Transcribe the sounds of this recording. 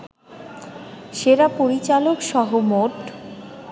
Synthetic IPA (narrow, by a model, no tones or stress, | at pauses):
ʃeɾapoɾit͡ɕalokʃɔɦomoʈ